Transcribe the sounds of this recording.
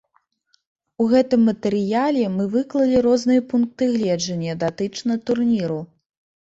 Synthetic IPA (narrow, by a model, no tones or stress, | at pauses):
uɣɛt̪ɨmːɐt̪ɛɾɨjalʲɛmɨvɨklˠɐlʲiɾɔznɨjɐpunk̚t̪ɨɣlʲɛd͡ʐɐnʲːɐd̪at̪ɨt͡ʂnɐt̪urnʲiɾu